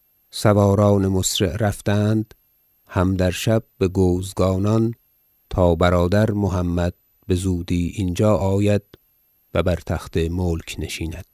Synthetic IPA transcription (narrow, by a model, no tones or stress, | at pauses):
sævɒːɾɒːnemosɾeʔɾæft̪ænd̪ | hæmd̪æɾʃæb̚beɡoːzɡɒːnɒn | t̪ʰɒːbæɾɒːd̪æɾmoɦæmːæd̪̥̚ | be̞zuːd̪iːʔind͡ʒɒːʔɒːjæd̪̥̚ | væbæɾt̪ʰæxt̪emoːlkʰneʃiːnæd̪̥̚